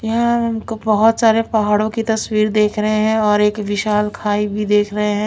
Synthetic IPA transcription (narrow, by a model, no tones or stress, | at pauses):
jɐɦãɦɐmkobɐɦʊt̪saːɾepɐɦaːɽõkit̪ɐswiːɾd̪eːkʰɾɐɦeɦɛ̃ɔːɾeːkʋɪʃaːlkʰaːibʱid̪eːkʰɾɐɦeɦɛ̃ː